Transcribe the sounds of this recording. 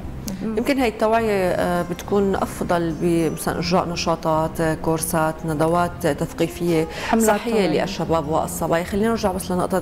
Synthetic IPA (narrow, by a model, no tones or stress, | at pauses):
jɪmkɪnhaːjɪt̪ːawaːjebɪt̪kuːnʔɑ̰fd̪ˤɑlbimasala̰nʔʊʒɾa̰ːʔnɑʃɑːt̪ˤɑːt̪kuɾsaːt̪nad̪awaːt̪t̪aθqiːfɪjːesˤɑħːɪjːeliʔa̰ʃːabaːbwa̰ʔɑ̰sˤːɑbɑːjxalːiːnaɪɾʒaʕmaslanɪʔt̪ˤɑ